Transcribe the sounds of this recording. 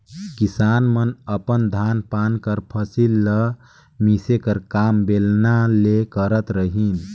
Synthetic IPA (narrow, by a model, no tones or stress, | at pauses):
kisanmənəpənd̪ʱanpankəɾpʰəsilːə | misekəɾkambelnalekəɾət̪ɾəɦin